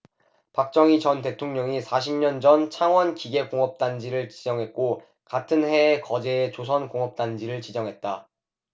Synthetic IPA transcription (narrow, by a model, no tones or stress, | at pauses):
pak̚t͡ɕ͈ʌŋit͡ɕʌnte̞tʰoŋɲʌŋisʰaɕ̬ʰimɲʌnd͡ʑʌnt͡ɕʰaŋwʌnkiɡe̞koŋʌp̚t͈and͡ʑiɾɯɭt͡ɕid͡ʑʌŋɦe̞t̚k͈o | katʰɯnhe̞kʌd͡ʑe̞ːt͡ɕosʰʌnkoŋʌp̚t͈and͡ʑiɾɯɭt͡ɕid͡ʑʌŋɦe̞t̚t͈a